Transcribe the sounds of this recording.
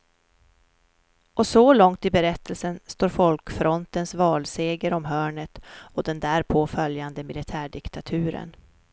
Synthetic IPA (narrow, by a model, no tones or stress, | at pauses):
ʔɔsɔlɔŋt̪ɪbɛɾɛt̪ʰːəlsənst̪oːɾfɔlkfɾɔnt̪ənsvɑːlseːɡəɾɔmɦœːɳət̪ɔd̪ɛnd̪æːɾpʰoːfœljand̪əmɪlɪt̪ʰæːɖɪkt̪ʰat̪ʰʉ̟ːɾə̰n